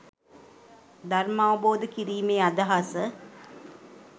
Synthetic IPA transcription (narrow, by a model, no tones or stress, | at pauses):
d̪armaʋəboːd̪əkiɾiːmeːad̪aɦasə